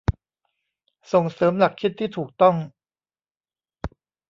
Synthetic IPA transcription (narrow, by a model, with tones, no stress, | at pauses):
so˨˩ŋsɤː˩˦mla˨˩kʰːi˦˥t̪ʰːiː˥˩t̪ʰuː˨˩k̚t̪ɔ˥˩ŋ